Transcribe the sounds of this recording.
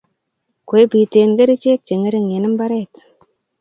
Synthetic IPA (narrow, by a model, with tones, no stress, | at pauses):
kʷe˨jbi˨te˨nɡe˦ɾi˦t͡ʃe˦k̚t͡ʃe˨ŋe˦ɾi˦ŋje˨nɪ˦mba˦ɾe˦t